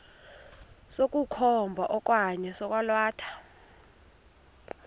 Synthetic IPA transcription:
sok̬ʼukʰɔmbʱaʔɔk̬ʼwaɲɛsɔk̬ʼwalwaːtʰḁ

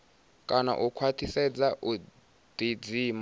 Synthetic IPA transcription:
kʼana̰ʔukʰwatʰisɛd͡zaʔu | d̪̥id͡ziːma

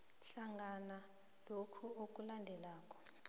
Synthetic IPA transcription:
ɬaŋɡana | lokʰuok̬ʼulandʱɛlaːk̬ʼɔ̥

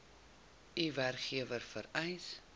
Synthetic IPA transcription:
iværkχiəvərfəɾɛjs

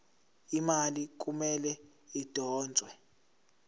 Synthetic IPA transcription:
imalik̬umɛlɛ | id̥ʱɔːnd͡zʱʼwɛ

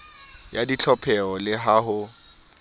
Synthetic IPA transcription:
jadit͡ɬʰɔpʰɛɔlɪɦaɦʊ

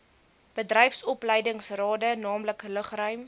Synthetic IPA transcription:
b̥ədrɛjfsɔpləjdəŋsrɑːdənɑːmləkləχrœɥm

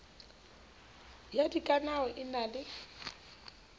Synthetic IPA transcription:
jadikʼanaɔʔɪnalɪ

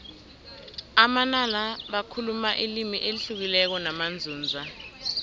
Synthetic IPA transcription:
amanalaɓakʰulumaʔilimiʔeliɬuk̬ilɛk̬ɔnamand͡zʱuːnd͡zʱa

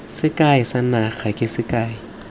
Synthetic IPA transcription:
sɪkʼaɪsanaχakʼɪsɪkʼaːɪ

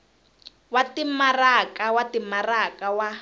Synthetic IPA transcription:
watimarakawatimarakawa

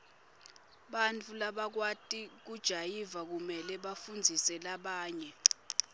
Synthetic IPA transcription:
ɓant͡fʰulaɓak̬watʼik̬ud̥ʒ̥ʱajivak̬umɛlɛɓafund͡zʱisɛlaɓaːɲɛ

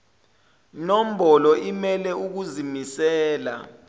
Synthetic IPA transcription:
nom̩ɓɔlɔʔimɛlɛuk̬uzimisɛːla̰

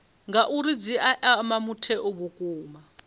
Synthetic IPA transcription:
ŋɡaʔuɾid͡ziʔaʔamamutʰɛʔoβukʼuːma

